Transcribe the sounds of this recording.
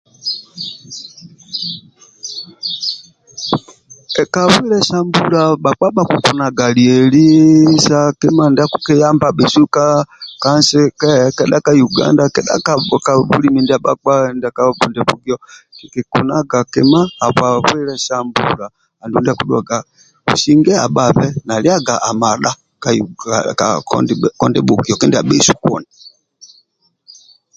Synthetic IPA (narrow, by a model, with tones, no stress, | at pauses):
ɛ˨ka˨βwɛ˦lɛ˦sa˦mbu˦la˨ɓa˨k͡pa˦ɓa˦ku˨ku˨na˨ɡa˨li˨ɛ˨li˦sa˦kɛ˦ma˦ndi˦a˦ku˦kɛ˦ja˦mba˨ɓɛ˨su˦ka˦ka˦nsɛ˦kɛ˦kɛ˨ɗa˦ka˦ju˨ɡa̰˦nda˦kɛ˨ɗa̰˦ka˨ka˨bṵ˦li˦mi˨ndi˦a˦ɓa˦k͡pa˦nda˨˦ka˦bu˨ndɛ˨bu˨ɡi˦ɔ˦ki˨kɛ˨kṵ˨na˦ɡa˨kɛ˨maː˦˨βwa˨ɸwɛ˦lɛ˦sa˦mbṵ˨laː˨ | ndu˨ndi˦a˦ku˦ɗwa˨ɡa˨ | ṵ˨si˦ŋɡɛ˦a̰˨ɓa˨βɛ˦na˨li˦a˦ɡa˨ʔa˨ma˨ɗa˦ | ka˨akɔ˨ndɛ˦ɓu˨ɡi˨ɔ˨kɛ˦ndi˦a˨ɓɛ˦su̥˨kwɔ̰˨ni˨